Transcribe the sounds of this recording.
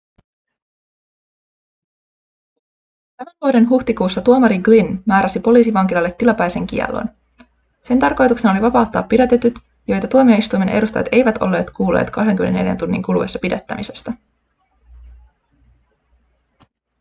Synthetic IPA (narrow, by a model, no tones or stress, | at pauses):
t̪æmænʋuode̞nɦuht̪ikuːsːɑt̪uomɑɾiɡlinmæːɾæsipo̞liːsiʋɑŋkilɑlːe̞t̪ːilɑpɑjse̞ŋk̟ḭɛ̰lːo̰n | se̞nt̪ɑrko̞jt̪ukse̞nɑoliʋɑpɑut̪ːɑːpːidæt̪et̪yt̪ | jo̞jt̪ɑt̪uo̞mioist̪ujme̞nʔe̞̰ɾust̪ɑjɑ̰t̪e̞jʋæt̪o̞̰lːe̞ːt̪kuːlːḛːt̪kɑhde̞ŋk̟ymen̰nːeljæ̰nt̪unːḭŋkulue̞sːɑpidæt̪ːæ̰mise̞st̪æ